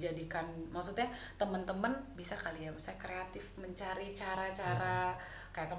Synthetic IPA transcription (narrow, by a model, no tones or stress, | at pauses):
d͡ʒadikanmaksut̪̚ɲa | t̪əmənt̪əmənbisakaliamsajkɾeat̪ɪfməɲt͡ʃaɾit͡ʃaɾat͡ʃaɾa | kajaʔt̪ə